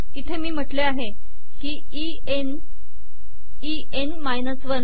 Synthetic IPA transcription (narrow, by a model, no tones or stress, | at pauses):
it̪ʰemiːm̤əʈleaɦe | kiː | i | en | i | enmajnəsʋən